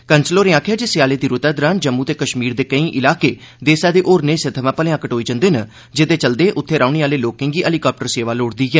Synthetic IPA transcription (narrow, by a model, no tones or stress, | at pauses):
kənsloːɾẽːãːkʰjaːd͡ʒɪsjaːleːd̪iːɾʊt̪əd̪ɾaːnd͡ʒəmːuːt̪eːkəʃmiːɾd̪eːkəĩːʔɪlaːkeː | d̪eːsaːd̪eːʔoːɾneːsət̪ʰəʋãːpəlẽãːkəʈɦoːiːd͡ʒə̃nd̪eːnə | d͡ʒɪd̪eːt͡ʃəld̪eːʔʊt̪ʰːeːɾaːʊniːaːleːloːkɪ̃ŋɡiːʔəliːkaːp̚ʈəɾseːʋaːloːɽd̪iːɡɛː